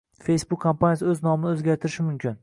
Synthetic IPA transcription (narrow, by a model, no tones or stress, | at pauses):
fe̞jsbʊkʲkʰːompʰanjasɪɵznɒmɪnɪozɡʲaɾt̪ʰɪɾɪʃɪmʊmkʲʰɪn